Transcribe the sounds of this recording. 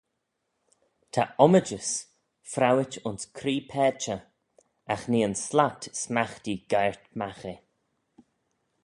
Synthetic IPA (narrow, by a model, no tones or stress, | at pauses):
tʰa̰ʔɔməd͡ʒəs | fɾawɪt͡ʃʊnskʰɾiːpʰɛːt͡ʃə | axniːənslatsmaxtiɡ̥ajɹt̪maxe